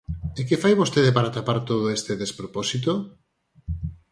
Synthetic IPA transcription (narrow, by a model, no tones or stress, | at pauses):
ekefajβost̪eðepaɾat̪apaɾt̪oð̞oest̪eðespɾoposit̪̬o